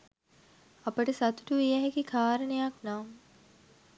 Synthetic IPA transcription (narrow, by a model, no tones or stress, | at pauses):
ɐpəʈəsɐt̪uʈuʋijæɦekikʰaːɾənejaknaːm